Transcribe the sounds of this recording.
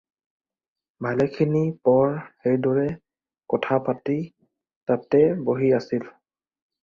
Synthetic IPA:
bʱalɛkʰinipɔɹxejdɔɹɛ | kɔtʰapati | tatɛboɦiasil

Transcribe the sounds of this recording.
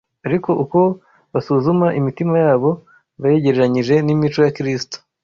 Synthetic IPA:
aɾiko̞ʔuko̞ | βasuːzumaʔimitimajaːβo̞ | βaje̞ɟe̞ɾeɾaɲiʒe̞nimit͡ʃo̞jakɾisi̥to̥

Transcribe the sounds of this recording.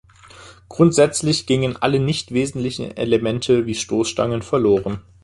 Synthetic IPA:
ɡ̥ʁʊntz̥ɛt͡slɪçɡ̥ɪŋənʔa̰lənɪçtv̥eːzn̩tlɪçn̩ḛləmɛntʰəviːʃtoːsʃta̰ŋənfɛɐloːʁən

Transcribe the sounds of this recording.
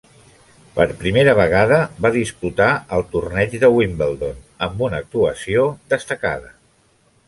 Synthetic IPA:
pəɾpɾimeɾəβ̞əɣ̞aðəβaðisput̪aəlˠt̪urnɛd͡ʒðəwimbəlˠd̪onəmbunək̚t̪uəsioðəst̪əka̰ðə

